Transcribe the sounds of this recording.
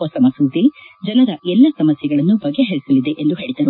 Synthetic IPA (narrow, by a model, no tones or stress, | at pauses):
oːsɐmɐsuːd̪id͡ʒɐlɐd̪ɐʔɛlːɐsɐmɐsjɛɡɐɭɐnːubɐɡːeɦeɭisɐlːid̪e̞ʔend̪uɦe̞ːɭid̪ɐɾu